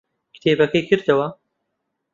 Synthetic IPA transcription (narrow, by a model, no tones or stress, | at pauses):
kɨ̥t̪ʰeːbɐkɐjkʰɨɾd̪ɨwɐ